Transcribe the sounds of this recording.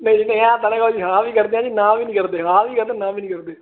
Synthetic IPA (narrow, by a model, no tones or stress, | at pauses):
nə̃ĩd͡ʒiːnə̃ɛ̃ːt̪əːnẽːkod͡ʒiːɦãːʋiːkəɾd̪eːãːd͡ʒiːnãːʋiːnĩːkəɾd̪eːɦãːʋiːkəɾd̪ẽːnãːʋiːnĩːkəɾd̪eː